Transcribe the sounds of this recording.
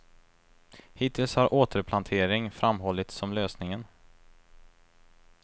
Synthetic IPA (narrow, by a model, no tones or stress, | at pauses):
hɪt̪ʰɪlshaɾʔoːt̪ʰəɾpʰlant̪ʰeːɾɪŋfɾamɦɔlːɪt̪sɔmløːsnɪŋən